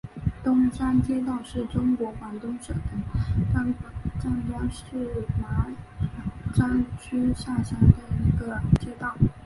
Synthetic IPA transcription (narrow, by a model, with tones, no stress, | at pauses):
t̪ʊ˥ŋʂa˥nt͡ɕjɛ˥t̪ɑ˥˧ʊʂɻ̩˥˩ʈ͡ʂʊ˥ŋkwɔ˧˥xwa˨˥nt̪ʊ˥ŋʂɤ˨˩d̪ə˥˩˥ | ʈ͡ʂa˥˩nt̪a˥ŋʂɻ̩˥˩ma˧˥ | ʈ͡ʂa˥nt͡ɕʰy˥ɕja˥˩ɕja˧˥nd̪ə˨i˧˥ɡə˧t͡ɕjɛ˥t̪ɑ˥˩ʊ